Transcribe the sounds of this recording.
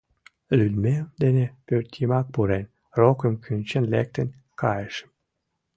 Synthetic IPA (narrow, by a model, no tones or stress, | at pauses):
lylmed̪enepørt̪ʲimɑk̚puɾenʲ | rokə̆mkʰynt͡ɕənlḛk̚t̪ə̆nʲ | kʰɑjəʃə̥m